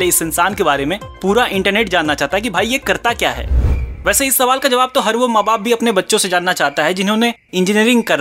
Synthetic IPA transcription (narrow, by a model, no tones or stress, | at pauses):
leɪsɪ̃nsaːnkebaːɾemẽ | puːɾaʔɪ̃ɳʈəɾneːʈd͡ʒaːnːat͡ʃaːɦt̪aɦɛkibʱaːijekɐɾt̪akja̰ːɦɛ̰ːʋɛːseɪsːɐʋaːlkad͡ʒɐʋaːb̚t̪oɦɐɾʋomaːbaːp̚bʱiɐpnebɐtːʃõsed͡ʒaːnːat͡ʃaːɦt̪aɦɛd͡ʒɪnɦõne | ɪ̃ɲd͡ʒɪniəɾɪ̃ŋɡ̚kɐɾ